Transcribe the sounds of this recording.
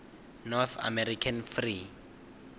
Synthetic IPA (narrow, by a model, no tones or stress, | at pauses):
nɔθa̰mɛɾikʰanfri